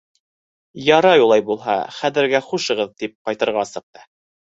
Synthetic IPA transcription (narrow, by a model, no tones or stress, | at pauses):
jɑɾɑjulˠɑjbulˠɦɑ̰χæðɘ̆ɾɡæχuʃɤ̆ʁɤðt̪ip̚qɑjt̪ɤ̆ɾʁɑsɤ̆q̚t̪ɤ̥